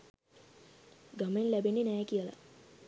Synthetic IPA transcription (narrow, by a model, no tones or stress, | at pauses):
ɡamenlæbenːenɛːkijəla̰